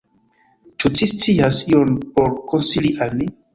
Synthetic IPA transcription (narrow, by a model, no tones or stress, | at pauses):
t͡ʃut͡ʃist͡siasionpoɾkonsiliʔalmi